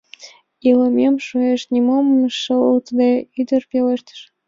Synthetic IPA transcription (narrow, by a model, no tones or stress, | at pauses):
iləmʲemʃueʃnʲimomːʃət̪d̪eyd̪ərpʲeleʃt̪ə̥ʃ